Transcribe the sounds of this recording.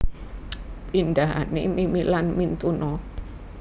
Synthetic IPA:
pind̪aɦa̰nḛmimilanmint̪unɔ

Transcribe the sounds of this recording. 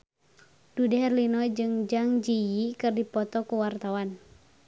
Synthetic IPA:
d̥udɛɦɛrlinɔd͡ʒɨŋd͡ʒaŋd͡ʒijikɨrdipɔt̪ɔkuwart̪awan

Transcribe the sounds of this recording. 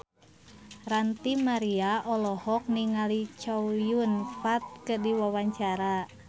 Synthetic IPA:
rant̪imaɾiaʔɔlɔhɔk̚niŋalit͡ʃɔujunfat̪̚kədiwawaɲt͡ʃaɾa

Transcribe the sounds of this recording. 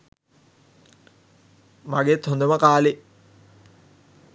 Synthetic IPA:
maɡet̪hond̪uməkaːle

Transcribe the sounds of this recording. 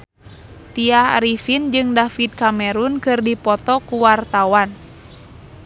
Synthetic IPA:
t̪iahɾifind͡ʒɨŋdafit̪̚kamɛɾunkɨrdipɔt̪ɔkuwart̪awan

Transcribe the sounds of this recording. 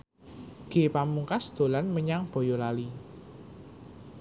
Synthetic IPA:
ɡ̥epamuŋkasd̪̥o̤lanməɲaŋb̥o̤jolali

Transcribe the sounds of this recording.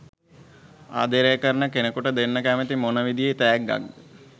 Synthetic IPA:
a̰ːd̪eɾejəkəɾənəkenəkuʈəd̪enːəkæːmət̪imonəʋid̪ijet̪æjæɡɡa̰ɡːə

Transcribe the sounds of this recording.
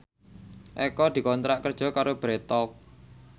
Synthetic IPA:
ʔɛkɔd̪̥i̤kɔnt̪ɾaʔkərd̥ʒ̥ɔ̤kaɾob̥ɾɛt̪ɔk̚

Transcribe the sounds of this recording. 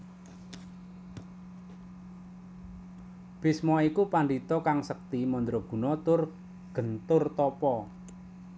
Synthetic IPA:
b̥ɪsmɔikupaɳɖit̪ɔkaŋsək̚t̪imɔnd̪ɾɔɡ̥ṳnɔt̪ʊr | ɡ̥ənt̪ʊrt̪ɔpɔ

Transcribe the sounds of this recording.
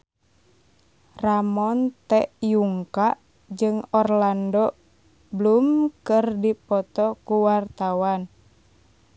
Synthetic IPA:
ramɔnt̪ɛʔjuŋkaʔ | d͡ʒɨŋɔrlandɔ | bəlumkɨrdipɔt̪ɔkuwart̪awan

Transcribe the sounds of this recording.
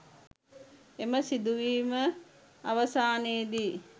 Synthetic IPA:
eməsid̪uʋiːmə | aʋəsaːneːd̪iː

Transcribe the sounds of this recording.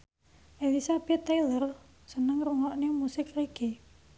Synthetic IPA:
ʔelisab̥ɛt̪ːajlər | sənəŋruŋɔʔnemusɪkreɡ̥e

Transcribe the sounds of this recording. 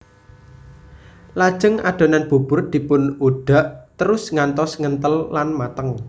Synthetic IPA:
lad̥ʒ̥ə̤ŋa̰ɖ̥o̤nanb̥ṳb̥ʊ̤rd̪̥i̤pʊnuɖ̥a̤ʔt̪əɾʊsŋant̪ɔsŋənt̪əlːanmat̪əŋ

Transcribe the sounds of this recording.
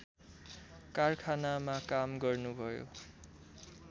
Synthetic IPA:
karkʰanamakamɡʌrnubʱʌjo̰

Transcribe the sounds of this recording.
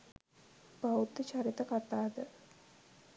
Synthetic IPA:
b̥aut̪ːət͡ʃaɾit̪əkat̪aːd̪ə

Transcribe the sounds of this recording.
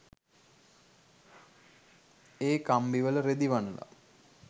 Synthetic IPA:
eːkambiʋələɾed̪iʋanəla̰

